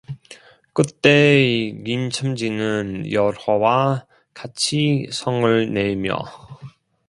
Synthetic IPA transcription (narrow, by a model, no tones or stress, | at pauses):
k͈ɯt͈e̞ɡimt͡ɕʰɯmd͡ʑinɯnjʌɾwʌwa | kat͡ɕʰisʰʌŋɯɭne̞mjʌ̰